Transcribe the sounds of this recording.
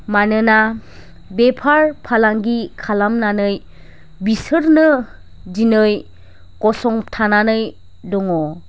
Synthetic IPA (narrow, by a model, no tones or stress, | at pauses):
manɯna | bepʰaɾpʰalaŋɡikʰalamnanɯj | bisɯɾnɯ | d͡ʒinɯj | kɔsɔŋtʰananɯj | dɔŋɔ